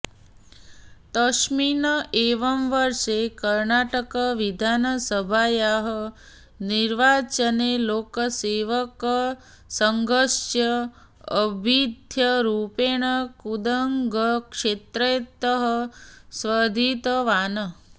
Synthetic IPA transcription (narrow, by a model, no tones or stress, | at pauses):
t̪əʃminəeːʋəmʋəɾʂekəɾnaːʈəkəʋid̪ʱaːnəsəbʱajaɦə | niɾʋaːt͡ʃəneloːkəseːʋəkə | səŋɡəʃjə | əbʱid̪ʱjəɾuːpeːɳ̃əkud̪əŋɡəkʂet̪ɾet̪əɦəsʋəd̪ʱit̪əʋaːnə